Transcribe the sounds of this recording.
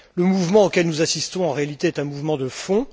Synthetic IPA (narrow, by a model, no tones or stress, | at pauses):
ləmuvmɑ̃okʲɛlnuzasist̪ɔ̃ɑ̃ʁealit̪eɛt̪ɛ̃muvmɑ̃d̪əfɔ̃